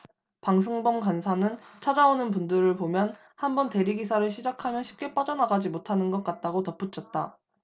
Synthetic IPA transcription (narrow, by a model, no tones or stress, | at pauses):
paŋsʰɯŋbʌmkansʰanɯnt͡ɕʰad͡ʑaonɯnpundɯɾɯɭpomjʌn | hambʌnte̞ɾiɡisʰaɾɯɭɕʰid͡ʑakʰamjʌnɕʰi̥p̚k͈e̞p͈ad͡ʑʌnaɡad͡ʑimotʰanɯnɡʌk̚k͈at̚t͈aɡotʌp͈ut͡ɕʰʌt̚t͈a